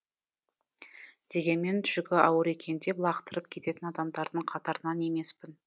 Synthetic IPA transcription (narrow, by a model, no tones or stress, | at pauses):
d̪̥e̞ɡʲe̞nme̞nt̪ʰʏ̥ʒʏɡʲɪʔɑwəɾe̞kʲʰe̞nd̪e̞blˠɑqt̪əɾəp̚kʲʰe̞t̪e̞t̪ɪnɑd̪ɑmd̪ɑɾd̪əɴqʰɑt̪ɑɾənɑne̞me̞spɪn